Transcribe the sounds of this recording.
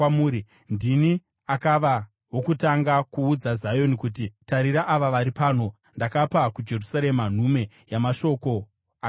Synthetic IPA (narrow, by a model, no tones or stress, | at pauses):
muːɾi | ndini | akaʋa | wo̞kutaŋɡakuːd͡zazajo̞nikutitaɾiɾaʔaʋaʋaɾipaːno̞ | ndakapakud͡ʒe̞rusaɾe̞man̤ume̞ | jamaʃo̞ko̞ | a